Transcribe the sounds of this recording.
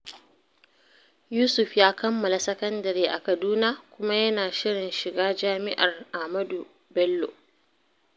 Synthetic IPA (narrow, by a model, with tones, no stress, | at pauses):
juː˦sʊ˨ɸjaː˦kɐ˦mːɐ˨la˨sɐ˦kɐ˦ndɐ˨ɾiː˦ʔa˨kɐ˨duː˦na˦kʷʊ˦ma˦jɐ˦naː˨ʃɪ˦ɽɪ˨nʃɪ˨ɡaː˦d͡ʒaː˦mɪ˦ʔa˨rʔa˨hmɐ˦du˨ | bɛ˦lːo̰˨